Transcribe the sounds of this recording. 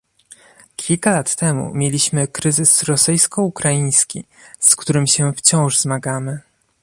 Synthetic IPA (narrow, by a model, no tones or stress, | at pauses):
kʲʰilkalat̪ːɛmṵmʲjelʲiɕmɘkɾɘzɘsɾɔsɘjskɔukɾajĩj̃skʲḭ | skt̪uɾɘmɕɛft͡ɕɔ̃w̃ʐzmaɡamɘ